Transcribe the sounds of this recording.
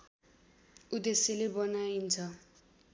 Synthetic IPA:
ud̪esilebʌnaint͡sʰʌ

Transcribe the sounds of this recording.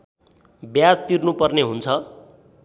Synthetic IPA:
bjad͡zt̪irnupʌrneɦunt͡sʰʌ

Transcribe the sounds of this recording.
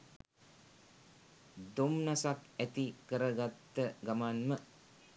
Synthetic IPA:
d̪umnasakæt̪ikəɾəɡat̪ːəɡamanmə

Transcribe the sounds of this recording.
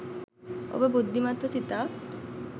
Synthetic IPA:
o̰bebud̪ːimat̪ɾɔsit̪a

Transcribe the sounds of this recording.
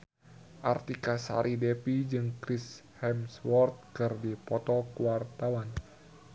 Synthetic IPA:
ʔart̪ikasa̰ɾʔidɛpid͡ʒɨŋkɾishɛmswɔrt̪̚kɨrdipɔt̪ɔkəwart̪awan

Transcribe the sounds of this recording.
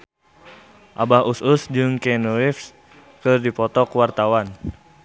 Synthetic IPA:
ʔabahusʊsd͡ʒɨŋkɛnuwifs | kɨrdipɔt̪ɔkuwart̪awan

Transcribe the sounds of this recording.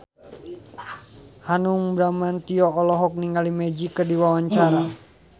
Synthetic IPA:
hanuŋbɾamant̪iɔːlɔɦɔk̚niŋɡalimed͡ʒikərdiwawaɲt͡ʃaɾa

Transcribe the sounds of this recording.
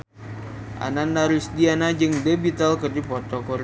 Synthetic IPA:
ʔa̰nanːaɾusdianad͡ʒɨŋdebit̪alkərdipɔt̪ɔkɔɾ

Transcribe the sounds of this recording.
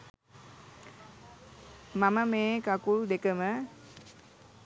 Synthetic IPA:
maməmeːkakuld̪ekəmə

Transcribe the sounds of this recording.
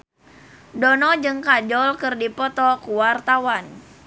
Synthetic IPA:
dɔnɔd͡ʒɨŋkad͡ʒɔlkɨrdipɔt̪ɔkuwart̪awan

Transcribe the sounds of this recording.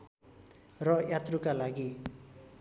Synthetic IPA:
rʌjat̪rukalaɡi

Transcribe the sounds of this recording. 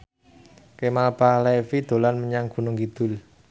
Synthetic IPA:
kemalpalefid̪̥o̤lanməɲaŋɡ̥ṳnʊŋɡid̪̥ʊ̤l

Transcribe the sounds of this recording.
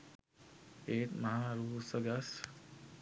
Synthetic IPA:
eːt̪mɐɦaːɾuːsəɡɐs

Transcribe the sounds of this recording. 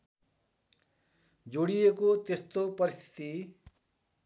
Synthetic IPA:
d͡zoɽijekot̪est̪opʌɾist̪ʰi̥t̪i

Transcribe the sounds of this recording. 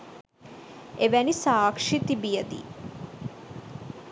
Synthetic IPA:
eʋænisaːkʂit̪ibijəd̪ḭː

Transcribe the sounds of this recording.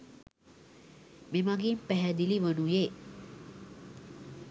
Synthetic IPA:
memaɡimpɛɦɛd̪iliʋənuje

